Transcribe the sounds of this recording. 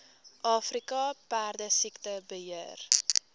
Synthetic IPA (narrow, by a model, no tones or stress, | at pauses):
ʔɑːfrikɑpærdəsiktəbəɦiər